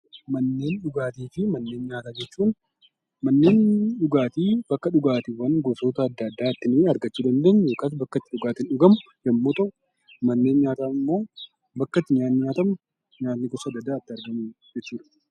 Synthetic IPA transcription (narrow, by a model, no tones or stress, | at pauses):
mɐnːe̞ːnɗʊɡaːt̪iːfɪmɐnːe̞ːnɲaːt̪aːd͡ʒɛt͡ʃːuːn | mɐnːe̞ːnɗʊɡaːt̪iːb̥ɐkːɐᶑʊɡaːt̪ɪwɐnɡɔsoːt̪ɐːd̪ːɐd̪ːaːɐt̪ːɪnɪɐɾɡɐt͡ʃːuːd̪ɐnd̪eːɲːjo̞ːkaːs̬bɐkːɐt̪ːɪᶑʊɡaːt̪ɪnᶑʊɡɐmʊ | jɐmːoːt̪ɐʔʊ | mɐnːe̞ːnɲaːt̪aːɪmːo̞ː | bɐkːɐt̪ːɪɲaːt̪nːɪɲaːt̪ɐmʊ | ɲaːt̪nɪɡɔsɐd̪ːɐd̪ːaːt̪ːɪɐɾɡɐmuː | d͡ʒɛt͡ʃːuːᶑɐ̥